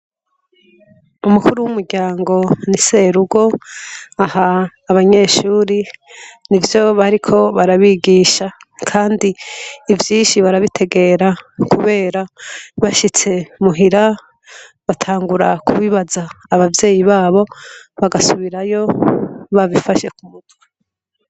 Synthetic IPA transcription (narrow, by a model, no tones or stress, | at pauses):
umukuɾuwumuɾɟaːŋɡo̞nise̞ːɾuɡo̞ | ahaːβaɲe̞ʃuːɾinivjo̞βaɾikʰo̞βaɾaβiɡiːʃa | kʰaːndiːvjiːnʃiβaɾaβitʰe̞ɡe̞ɾakuβe̞ːɾaβaʃit͡se̞muɦiɾa | βatʰaːŋɡuɾakʰuβiβazaːβavje̞ːjiβaːβo̞βaɡasuβiɾajo̞βavifaʃe̞kumutwa